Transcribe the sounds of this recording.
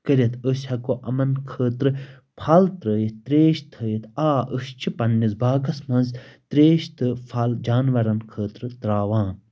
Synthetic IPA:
kəɾʲɐt̪ʰəsʲhɐkoʔɐmɐnkʰəːt̪ɾɨ | pʰaːlt̪ɾəːjit̪t̪ɾeːʃt̪ʰəːjit̪aːəst͡ʃʰipɐnːizbaːɡɐsmɐ̃nzt̪ɾeːʃt̪ɨpʰaːld͡ʒaːnʋɐɾɐnkʰəːt̪ɾɨt̪ɾaːʋaːn

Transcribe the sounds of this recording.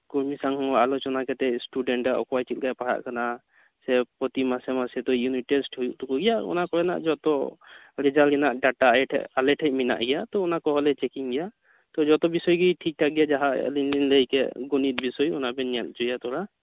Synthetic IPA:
kuɾmisaŋɔŋɔalɔt͡ʃɔnakɛt̪ɛʔsʈuɖɛɳʈaʔɔ̰kɔwajt͡ʃʰilɡajpaɽa̰ʔkana | sɛpɔt̪imasɛmasɛt̪ɔjuniesʈhɔjuʔt̪ɔkɔɡɛjaɔ̰nakɔɛna̰ʔd͡ʒɔt̪ɔ | ɾɛd͡ʒalɡɛnaʔɖaʈaaɛʈʰɛ̰ʔalɛʈʰɛʔ̚mina̰ʔɡɛjat̪ɔɔnakɔɦɔlɛt͡ʃɛkiŋɡɛja | t̪ɔd͡ʒɔt̪ɔbisɔjɡijʈʰik̚tʰaɡijad͡ʒaɦa̰linlinləikɛɡunit̪̚bisɔjɔnabɛnɛl̚d͡ʒɔjat̪ɔɾa

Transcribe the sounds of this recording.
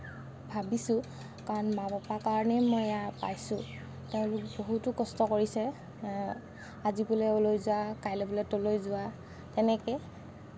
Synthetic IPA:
bʱabisʊ̃ | kaɹɔnmabɔpakaɹɔnɛjmɔjjapa̰jsʊ̃ | tɛʊ̃lʊk̚boɦutʊkɔstɔkoɹisɛ | azibʊlɛolojzʊakajlɛbʊlɛtolojzʊwa | tɛnɛkɛ

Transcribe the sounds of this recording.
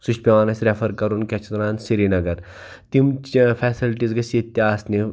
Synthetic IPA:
suʃpʲeʋaːnɐsʲɾefɐɾkɐɾunkʲeɐt͡ʃʰt̪ɐɾaːnsiɾinɐɡɐɾ | t̪imfʰɛːsilʈizɡɐsit̪ːjaːsni

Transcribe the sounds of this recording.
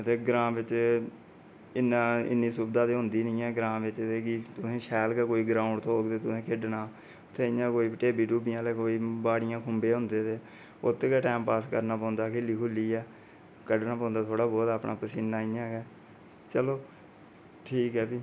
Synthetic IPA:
ət̪eːɡɾãːʋɪt͡ʃ | ɪnːãːɪ̰nːiːsʊbd̪aːt̪eːɦʊ̃nd̪iːnĩːɛːɡɾãːʋɪt͡ʃt̪eːkɪt̪ʊsẽːʃɛːlkɛːkoːiːɡɾaːʊ̃ɳɖt̪ʰoːɡt̪eːt̪ʊsẽːkʰɪɖnaː | ʊt̪ʰːẽːɪjãːkoːiːpʈeːbiːʈuːbɪjãːlɛːkoːiːbaːɽɪjãːkʰʊmbeːɦʊnd̪eːt̪eː | ot̪ʰːeːkɛːʈɛːmpaːskəɾnaːpɔ̃ːnd̪aːkʰeliːkʰʊlːiːɛː | kəɖnãːpãːnd̪aːt̪ʰoːɽaːbɔːt̪aːpɳʔaːpəsɪnːaːɪjãːkɛː | t͡ʃəloː | ʈʰiːkɦɛːpiː

